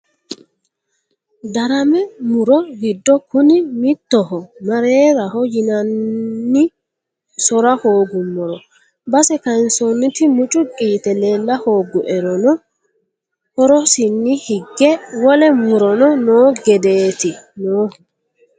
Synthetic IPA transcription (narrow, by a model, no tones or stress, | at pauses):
d̪ɐɾɐmɛmʊɾɔɡɪd̪ːɔkʊnɪmɪt̪ːɔhɔmɐɾeːɾɐɦɔjɪnɐnːɪ | sɔɾɐhoːɡʊmːɔɾɔ | bɐsɛkɐɪnsɔnːɪt̪ɪmʊt͡ʃʼʊkʼiːt̪ɛle̞ːlːɐhoːɡʊʔɛɾɔnɔ | hɔɾɔsɪnːɪhɪɡːɛwɔlɛmʊɾɔnɔnoːɡɛd̪eːt̪ɪnoː